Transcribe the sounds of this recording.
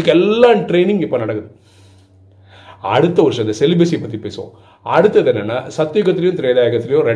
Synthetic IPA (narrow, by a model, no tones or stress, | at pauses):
ɯkːɛlːãːʈɾeːnɪ̃ŋɡɪpːoːnɐɽɐkːɯðɯ | ɐ̰ɽɯt̪ːɐʋɐɾɯʂɐ̃ɪnd̪ɐsɛlɪbesijpːɐt̪ːipeːsɯõ̰ | ɐɽɯt̪ːɐðɛnːɐnːa̰ːsɐt̪ːɪjʊɣɐt̪ːɪlɐjʊ̃ːt̪ɪɾeːðaːjɐɣɐt̪ːɪlɐjʊ̃ɾɛ